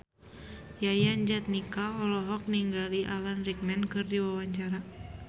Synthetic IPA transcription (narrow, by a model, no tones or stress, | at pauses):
jajaɲd͡ʒat̪̚nikaɔlɔɦɔk̚niŋɡaliʔalanrik̚mɛnkɨrdiwawaɲt͡ʃaɾa